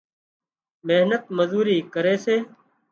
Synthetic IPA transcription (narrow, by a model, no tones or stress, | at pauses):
meɦnət̪̚məzuːɾiːkəɾeːseː